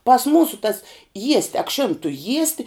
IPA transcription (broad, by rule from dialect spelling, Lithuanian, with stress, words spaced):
pɐs ˈmuːsʊ tɐs ˈjiɛsʲtʲɪ ɐkˈʃʲɪn tʊ ˈjiɛsʲtʲɪ